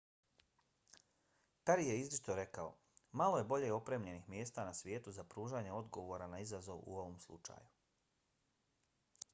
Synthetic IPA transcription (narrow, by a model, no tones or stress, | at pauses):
kaɾije̞izlit͡ʃt̪o̞ɾe̞kao̞̰ | maloje̞bo̞ʎe̞o̞pɾemʎe̞nixmje̞ːst̪anasʋʲjeːt̪uzapɾuːʒaːɲeo̞d̪ɡo̞ʋo̞ːɾanaizazo̞ʋṵo̞ʋomslˠṵt͡ʃa̰ːju